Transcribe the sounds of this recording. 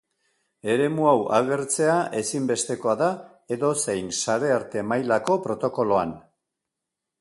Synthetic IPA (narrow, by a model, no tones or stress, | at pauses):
e̞ɾe̞muawaɣ̞e̞ɾt͡se̞aʔe̞simbe̞st̪e̞ko̞aða | e̞ðo̞se̞jnsaɾe̞aɾt̪e̞majlako̞pɾo̞t̪o̞ko̞lo̞an